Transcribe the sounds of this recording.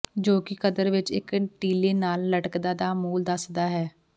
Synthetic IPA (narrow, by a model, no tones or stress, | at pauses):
d͡ʒoːkɪkəd̪əɾʋɪt͡ʃɪkʈiːleːnaːlːəʈəkd̪aːd̪aːmuːld̪əsd̪aːɦɛː